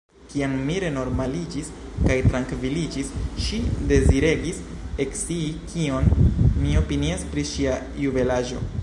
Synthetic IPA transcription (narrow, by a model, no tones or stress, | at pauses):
kianmiɾe̞no̞ɾmalid͡ʒiskajtɾaŋkvilid͡ʒisʃide̞ziɾe̞ɡis | e̞ksiːkʰio̞nmio̞piniaspɾiʃia | jube̞laʒo̞̰